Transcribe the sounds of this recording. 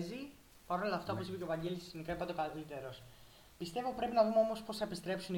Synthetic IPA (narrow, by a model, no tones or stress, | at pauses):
zi | pɐɾonlɐft̪ɐopo̞sipecovɐɲɟe̞lisiznikɐipɐt̪okɐlit̪e̞ɾo̞s | pist̪e̞vo̞pɾe̞pinɐðumeo̞mo̞spo̞sθɐepist̪ɾe̞psun